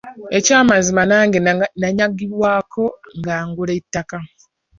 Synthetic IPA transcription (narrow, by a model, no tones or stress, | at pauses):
e̞caːmazimanaːŋɡenaɲaɡiβwaːkʰo̞ŋɡaːŋɡuleitːaka